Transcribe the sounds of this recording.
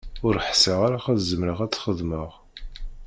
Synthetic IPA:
ʊɾħsəʁaɾaχəðzːəmɾəʁæt͡sːχəðməʁ

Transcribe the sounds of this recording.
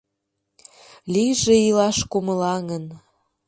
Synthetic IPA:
liʒeilɑʃkuməlɑŋən

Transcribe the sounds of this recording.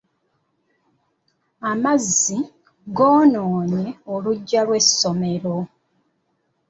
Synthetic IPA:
amazːi | ɡoːnoːne̞oluɟːalwe̞sːo̞me̞ɾo̞

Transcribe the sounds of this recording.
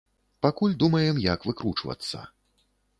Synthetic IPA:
pakulʲd̪umɐjɛmjɐkvɨkɾut͡ʂvɐ̰t̪sːɐ̰

